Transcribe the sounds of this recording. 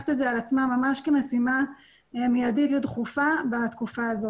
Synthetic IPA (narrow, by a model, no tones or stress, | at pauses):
e̥t̪edzealat͡smamamaʃkemesima | emijadit̪let̪χufabat̪kufaːzo